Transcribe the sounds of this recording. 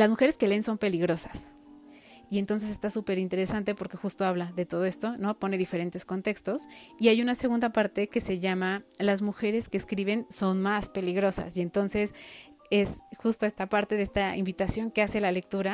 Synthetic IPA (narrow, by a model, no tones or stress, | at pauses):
lazmuxe̞ɾe̞ske̞le̞ːnso̞mpe̞liɣɾo̞sḁs | ie̞nt̪o̞ns̬e̞s̬e̞st̪asupe̞ɾint̪e̞ɾe̞sant̪e̞po̞ɾke̞xust̪o̞aβlaðe̞t̪oð̞o̞e̞st̪o̞no̞po̞ne̞ðife̞ɾe̞nt̪e̞sko̞nt̪e̞kst̪o̞siajunase̞ɣ̞ũnd̪apaɾt̪e̞ke̞se̞ʝamalazmuxe̞ɾe̞skeːskɾiβenso̞nmaspe̞liɣɾo̞sa̰sie̞nt̪o̞nse̞s | e̞sxust̪oe̞st̪apaɾt̪e̞ðeest̪aḭmbit̪asjo̞ŋke̞ase̞lale̞k̚t̪uɾa